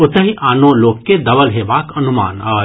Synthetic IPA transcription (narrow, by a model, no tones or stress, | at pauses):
ʊt̪əɦiʔaːnõloːkːed̪ɐbəlɦeːʋaːkɐnʊma̰ːnaː